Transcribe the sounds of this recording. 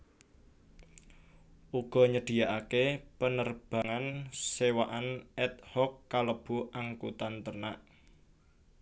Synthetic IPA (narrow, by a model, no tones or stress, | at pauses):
ʔuɡ̥ɔ̤ɲəɖ̪̥i̤jaʔakepənərb̥ä̤ŋansewaʔanɛt̪̚hɔkːaləb̥ṳʔaŋkut̪ant̪ərnaʔ